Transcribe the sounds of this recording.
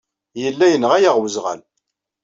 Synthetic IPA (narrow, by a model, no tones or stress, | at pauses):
jəlːæjənʁæjaʁwəzʁæ̰l